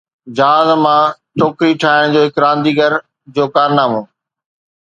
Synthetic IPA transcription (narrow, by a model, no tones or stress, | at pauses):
d͡ʑaːzmãːt͡ɕoːkɾiʈʰaːɪɽ̃d͡ʑoːɦɪkɾãːnd̪iːɡəɾ | d͡ʑoːkaːɾnaːmoː